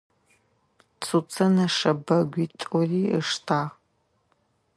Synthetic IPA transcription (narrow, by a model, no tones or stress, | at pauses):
t͡sʰut͡sʰɐnɐʂɐbɐɡʷiːtʼɔriːəʂtʰaːʁ